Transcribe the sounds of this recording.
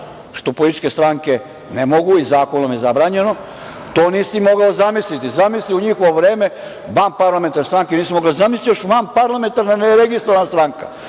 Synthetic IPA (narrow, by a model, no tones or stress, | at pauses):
ʃt̪o̞polit̪i̥t͡ʃke̞st̪ɾaŋke̞ | nemo̞ɡuizaːkonomjezabɾaːɲe̞no̞ | t̪o̞ːniːsimo̞ɡaozamislit̪izamisliuɲixoʋoʋɾeːme | ʋanpaɾlament̪aɾnest̪ɾaŋkeniːsimoɡlazamislijoʃʋanpaɾlˠame̞nt̪aɾnaneɾeɡist̪ɾoʋanast̪ɾaŋka